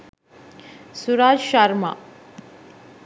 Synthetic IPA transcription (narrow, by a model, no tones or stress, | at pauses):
suɾaːd͡ʒʃaɾma̰